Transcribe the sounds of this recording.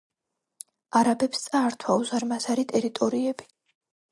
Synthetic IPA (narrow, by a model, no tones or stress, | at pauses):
aɾabɛpst̪sʼaːɾt̪ʰwauzaɾmazaɾit̪ʼɛɾit̪ʼɔɾiɛbi̥